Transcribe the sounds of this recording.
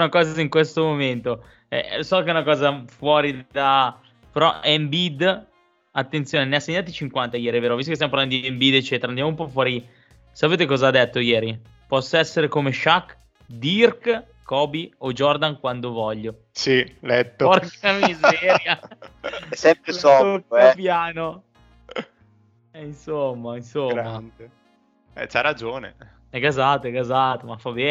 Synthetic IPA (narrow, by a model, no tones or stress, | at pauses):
nakɔːziŋkwest̪omoment̪o | ɛ̰sɔkeɛunakɔːzafwɔːɾid̪a | peɾɔ̰ɛmbid̪ | at̪ːent̪sjoːneneasːeɲːaːt̪it͡ʃiŋkwant̪ajɛːɾiɛveːɾovist̪okest̪jamopaɾland̪od̪iɛmbid̪et͡ʃːeːt̪eɾaːnd̪jamoumpɔfwɔːɾi | sapeːt̪̬ekɔːzad̪et̪ːojɛːɾi | pɔsːaɛsːeɾekomeʃakː | d̪irk | kːɔːbiod͡ʒɔrd̪aŋkwand̪ovɔʎːo | silɛt̪ːoɔramizɛːɾja | sɛmpɾɔokaɛpjaːno | ɛinsomːainsomɾːand̪e | ɛ̰t͡ʃaɾad͡ʒoːnḛ | ɛkazat̪ɛkazat̪omafabɛ